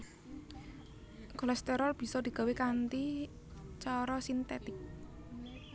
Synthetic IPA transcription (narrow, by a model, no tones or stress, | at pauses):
kɔlɛst̪ɛɾɔlb̥i̤sɔd̪̥i̤ɡ̥a̤wekant̪i | t͡ʃɔɾɔsint̪ɛt̪ɪk̚